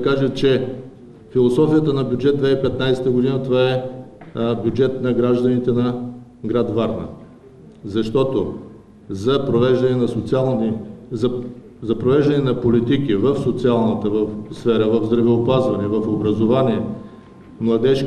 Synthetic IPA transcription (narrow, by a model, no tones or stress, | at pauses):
kaʒət͡ʃɛ | filˠosɔfijət̪ənɐbjud͡ʒɛt̪d̪vɛipɛt̪najsɛ̥t̪əɡod̪inət̪ovaɛ | bʲjud͡ʒɛt̪nɐɡɾaʒd̪ɐnit̪ɛnɐ | ɡɾad̪vaɾnɐ̰ | zɐʃt̪ɔt̪o | zɐpɾovɛʒd̪ɐnɛnɐsot̪sialˠn | zɐpɾovɛʒd̪ɐnɛnɐpolit̪ikivəfsot̪sialˠnət̪əvəfsfɛɾəvəvzd̪ɾɐvɛopazvɐnɛvɐfobɾɐzovanʲiɛ | mlˠɐd̪ɛʃk